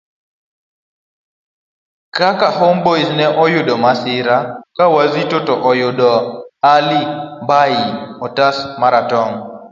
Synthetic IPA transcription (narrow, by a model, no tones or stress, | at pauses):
kakahomboisnɛʔɔjʊdɔmasɪɾakawazitotɔʔɔjʊdɔalibajiɔtasmaɾatɔŋ